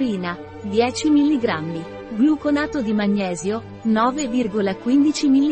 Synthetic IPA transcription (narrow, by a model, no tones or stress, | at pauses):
iːna | d̪jɛːt͡ʃimilːiɡɾamːi | ɡlukonaːt̪od̪imaɲːɛːzjo | nɔːvevirɡolakwind̪it͡ʃimilːi